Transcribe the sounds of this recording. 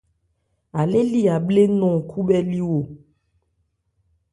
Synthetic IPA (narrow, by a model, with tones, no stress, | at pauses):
a˨le˦li˦a˨ble˦nɔ̃˨kʰu˦bɛ˦li˦wo˨